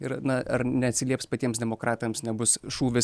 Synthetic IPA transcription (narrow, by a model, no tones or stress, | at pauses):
ɪɾnɐɐ̰ɾnʲɛɐt̪ʲsʲɪlʲiɛpspɐt̪ʲiɛmsd̪ʲɛmoːkɾɑːt̪ɐmsnʲɛbʊsʃuːʋʲɪs